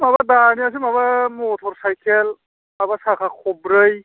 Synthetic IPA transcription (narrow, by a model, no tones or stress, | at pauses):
mabadanias̬imaβamotʰɔɾsajkʰɛl | abasakʰakʰɔbɾəj